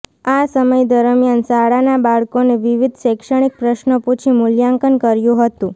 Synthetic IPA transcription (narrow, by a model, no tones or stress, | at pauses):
asəməjd̪əɾəmjansaɽanabaɭkoneʋiʋid̪ʱʃɛkʃəɽ̃ik̚pɾəʃnəput͡ʃʰimʊljaŋkənkəɾjũɦət̪ũ